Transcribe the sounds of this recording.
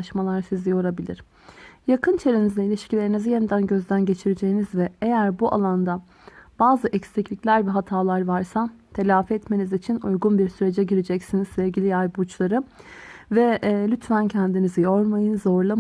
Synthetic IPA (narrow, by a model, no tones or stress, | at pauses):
ʃmalˠaɾsizijo̞ɾabilʲḭɾ̥ | jakʰɯnt͡ʃʰe̞ɾinizd̪ɛilʲiʃcʰilʲe̞ɾinizije̞nid̪ænɟø̞zd̪ænɟe̞t͡ʃʰiɾed͡ʒe̞jinizvɛejæɾbuʔa̰lˠand̪a | b̥aːzɯʔɛcst̪ɛclʲiclʲæɾvɛɦat̪ʰaːlˠaɾvaɾsat̪ʰe̞lʲaːfiɛt̪me̞nizit͡ʃʰinṵjɡunbiɾsyɾe̞d͡ʒɛɟiɾed͡ʒɛcsiniz̥sɛvɟilʲijajbut͡ʃlˠaɾɯ | vɛlʲyt̪ʰvæncʰɛnd̪inizijo̞ɾmajɯnzo̞ɾlˠa